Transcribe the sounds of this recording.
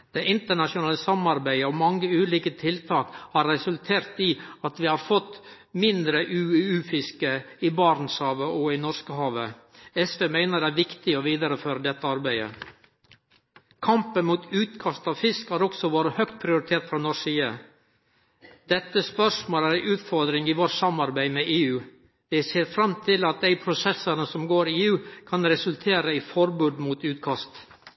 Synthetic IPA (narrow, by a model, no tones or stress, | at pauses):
d̪̥eʔɪnt̪əɳɑʂʊnɑːləsɑmɑɾbæɪəɔmɑŋːəʉːliːkət̪ʰɪlt̪ʰɑːkhɑːɾːɛsʉlt̪ʰeːɾt̪iːɑt̪ʋɪːhɑɾfɔt̪ | mɪnd̪ɾəʔʉːʉːfɪskəɪːbɑːɾnshɑːʋəʔɔɪnɔskəhɑːʋə | ɛsʋeːmæɪnəɖ̪ɛæːɾʋɪkt̪ɪɔʋiːd̪əɾəføːɾəd̪ɛt̪ːəɑɾbæɪə̰ | kʰɑmpənmuːt̪ʰʉːt̪kʰɑst̪ɑʋfɪskhæːɾɔksɔʋoːɾəhœkt̪̚pʰɾɪʊɾɪt̪ʰeːʈ̪fɾɑnɔʂiːə | d̪̥ɛt̪ːəspœʂmoːlæɾæɪʔʉːt̪fɔɾd̪ɾɪŋiːʋoːʈsɑmɑɾbæɪmeʔeːʉː | d̪ɛseːɾfɾɑmt̪ʰɪlɑt̪̚d̪æɪpʰɾʊsɛsːəɾnəsɔmɡoːɾɪeːʉːkʰɑnɾɛsʉlt̪ʰeːɾəifɔɾbʉːd̪muːt̪ʉːt̪kʰɑst̪